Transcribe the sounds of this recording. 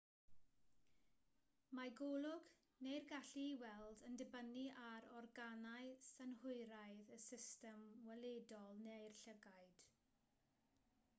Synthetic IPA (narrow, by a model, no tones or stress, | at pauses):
maɡolˠʊɡ | nejrɡaɬiːwɛlˠdəndɪbəniʔaɾɔrɡanaɨsənɦʊɨɾajðəsɪstɛmwɛlˠedɔlˠnejrɬəɡaɨd̥